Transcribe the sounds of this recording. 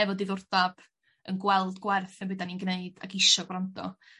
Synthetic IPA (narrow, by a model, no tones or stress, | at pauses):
ɛvɔdiðʊrdab̥ | ənɡwɛlˠdɡwɛrθɛnbədaninɡneɨd̥a̰ɡɪʃɔɡrandɔ̰